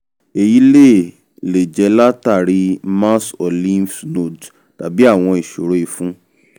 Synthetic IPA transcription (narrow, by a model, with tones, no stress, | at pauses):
e˨ji˨˦le˦˨ | le˨d͡ʒɛ˨˧˦la˦ta˦˨ɾi˧mã˦sɔ˨lĩ˦fno˦˨d | ta˨bi˦a˦˨w̃ɔ̃˧i˨ʃo˨ɾo˨˦i˧fũ˦